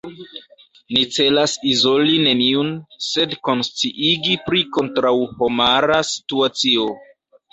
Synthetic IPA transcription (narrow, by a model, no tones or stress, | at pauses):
nit͡se̞lasizo̞line̞niunse̞dko̞nst͡siʔiɡipɾiko̞ntɾawho̞maɾasi̥tuat͡sio̞